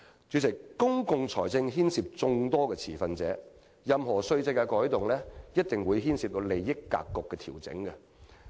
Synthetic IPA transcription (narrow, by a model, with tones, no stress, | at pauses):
t͡ʃyː˨˧t͡sʰɪ˨˩kːʊ˥ŋkʊ˧ŋt͡sʰɔ̰ː˨˩jt͡sɪ˧ŋɦiː˥nsiː˨˧p̚t͡sʊ˧ŋt̪ɔː˥kɛː˧t͡sʰiː˨˩fɐ˨nt͡sɛː˨˥ | jɐ˨mɦɔː˨˩sɵ˧ɥt͡sɐ˧jkːɐ˧kɔː˨˥jt̪ʊ˨ŋlɛː˥jɐ˥t̚t̪ɪ˨˩ŋwuː˨˧jɦiː˥nsiː˧p̚t̪o˨˧wle˨jːɪ˥kːa̰ː˧kːɔ˨kːɛː˧t̪ʰiː˨˩wt͡sɪ̰˨˥ŋkɐ˧